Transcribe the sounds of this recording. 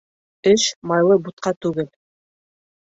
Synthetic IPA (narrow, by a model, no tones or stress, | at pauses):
ɘʃmɑjlˠɤbut̪̚qɑt̪ʉɡɘl